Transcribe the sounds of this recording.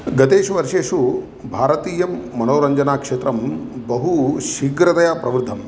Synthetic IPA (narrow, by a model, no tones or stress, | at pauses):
ɡɐt̪eːʃuʋɐɾʂeːʃu | bʱaːɾɐt̪iːjɐmːɐnoːɾɐɲd͡ʒɐnaːkʂeːt̪ɾɐmbɐɦuʃiɡɾɐt̪ɐjaːpɾɐʋɾd̪ʱːɐm